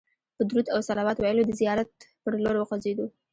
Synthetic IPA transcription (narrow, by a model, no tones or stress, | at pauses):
pəd̪ɾud̪awsalɑwɑt̪wɑjəlod̪əzijɑɾat̪̚pəɾloɾwəqazed̪o